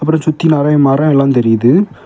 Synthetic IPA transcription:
ɐp̬ːɯɾɐ̃nsʊt̪ːɪnaːɾaːjɐmaːɾɐ̃ːɛlːaːnt̪ɛɾɪjɐðɯ

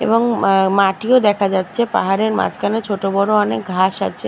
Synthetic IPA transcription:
ḛbɔŋmaʈiod̪ɛkʰad͡ʑatːʃʰepa̰ɦaɾeɾma̰tkanet͡ɕʰoʈobɔɾoanek̚ɡʱaʃa̰tːt͡ɕʰe

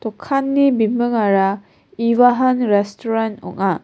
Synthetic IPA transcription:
tɔkʰːanːibimbɯŋaɾa | iwaɦanɾɛstʰɔɾantɔ̰ŋa

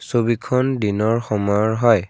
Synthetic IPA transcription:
sobikʰɔndinɔɹxɔmɔjɔɹɦɔj

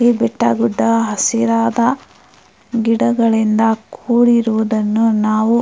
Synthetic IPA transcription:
ibɛʈːɐ̰ɡuɖːɐɦɐsiɾaːd̪ɐ | ɡiɽɐɡɐɭind̪ɐkʰuːɽiɾuʋud̪ɐnːunaːʋu

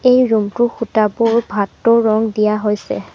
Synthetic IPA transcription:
ejɹumtʊxutabʊɹbʱatːɔɹɔŋdijaɦojsɛ̰

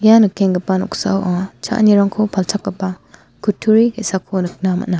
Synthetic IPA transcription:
janɯkeŋɡɐpanɔk̚sa̰wʔaŋat͡ʃʰa̰ʔniɾaŋkʰopʰaltʰakːɐpa | kʰutʰːuɾihesakʰonɯk̚nama̰na

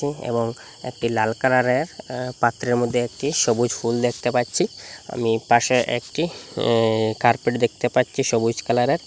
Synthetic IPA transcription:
iḛboŋ | ḛk̚ʈilalkalaɾeɾpat̪ːɾeɾmod̪ʱːeek̚ʈiʃobud͡ʑfuld̪ekʰt̪epatːɕʰia̰mipaʃeʔekʈi | kaɾpeʈd̪ek̚ʰt̪epatːɕʰiʃobud͡ʑkalaɾeɾ

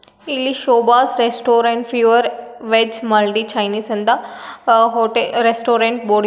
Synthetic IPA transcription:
iliʃoːbaːsɾesʈoːɾẽɳʈfuʋəɾʋed͡ʒmɐlʈit͡ʃʰajniːsɐ̃nd̪a | ɦoʈeɾesʈoːɾẽɳʈ̚boːɽ

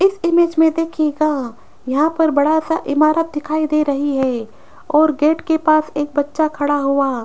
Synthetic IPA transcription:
ɪsɪmeːd͡ʒmẽd̪eːkʰeɡaː | jɐɦãpɐɾbɐɽasaʔɪmaːɾət̪̚d̪ɪkʰaːid̪eːɾɐɦiɦɛː | ɔːɾɡeːʈkepaːseːk̚bɐtːʃakʰɐɽaɦuaː

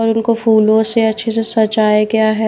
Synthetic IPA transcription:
ɔːɾʊnkofuːlõseɐtːʃʰesesɐt͡ʃaːeɡjaɦɛ

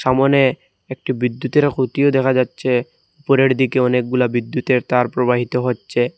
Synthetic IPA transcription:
ʃamone | ek̚ʈibid̪ːut̪eɾakʰut̪ijod̪ɛkʰad͡ʑatːɕʰe | upoɾeɾd̪ikeɔnek̚ɡulabid̪ːut̪eɾt̪aɾpɾobaɦit̪oɦotːɕʰe

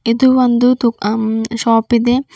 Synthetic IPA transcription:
id̪uʋond̪ut̪uʃaːpid̪e

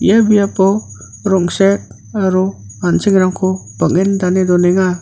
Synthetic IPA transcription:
ḭjabijapɔ | ɾɔŋsek̚ | aɾɔ | ansiŋɾaŋkʰɔb̥ak̚endanedɔnɛŋa

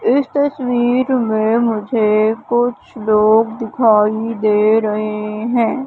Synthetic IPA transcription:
ɪst̪ɐswiːɾmẽmʊd͡ʒʱekʊt͡ʃʰloːɡd̪ɪkʰaːid̪eːɾɐɦeɦɛ̃ː

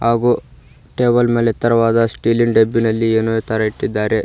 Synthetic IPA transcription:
ɦaːɡuː | ʈeːbɐlmeːlet̪ɐɾɐʋaːd̪ɐsʈiːliɳɖebːinɐlːieːnuet̪ɐɾɐiʈːid̪ːaːɾe̞

